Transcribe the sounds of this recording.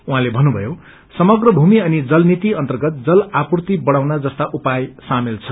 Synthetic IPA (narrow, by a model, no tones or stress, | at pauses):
uɦãlebʱʌnːubʱʌ̰jo | sʌmʌɡrʌbʱumiʌnid͡zʌlnit̪iʌnt̪ʌrɡʌt̪̚d͡zʌlapurt̪ibʌɽ̃awnad͡zʌst̪aʔupajsamelt͡sʰʌ̥